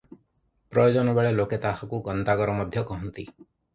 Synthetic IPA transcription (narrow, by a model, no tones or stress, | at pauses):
pɾɔjod͡ʒɔnɔbeɭeloket̪akɔkuɡɔnt̪aɡɔɾɔmɔd̪ʱjɔkɔɦɔnt̪i